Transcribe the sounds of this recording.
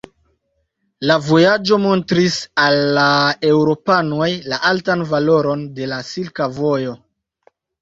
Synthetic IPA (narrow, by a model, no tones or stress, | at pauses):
lavo̞jad͡ʒo̞mo̞ntɾisalːae̞wɾo̞pano̞jlaʔaltanvalo̞ɾo̞nde̞lasilkavo̞jo̞